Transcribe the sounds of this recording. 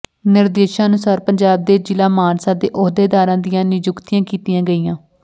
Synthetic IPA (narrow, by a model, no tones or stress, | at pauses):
nɪɾd̪eːʃãːənʊsaːɾpəɲd͡ʒaːb̚d̪eːd͡ʒɪlaːmaːnsãːd̪eːʔɔɦd̪eːd̪aːɾãːd̪ijãːnɪd͡ʒʊkt̪ijãːkiːt̪ɪjãːɡəiːjãː